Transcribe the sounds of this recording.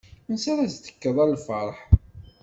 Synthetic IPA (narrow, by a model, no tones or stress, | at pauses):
nsaɾˤæzt̪ə̥kːəðˤælːfɑɾˤħ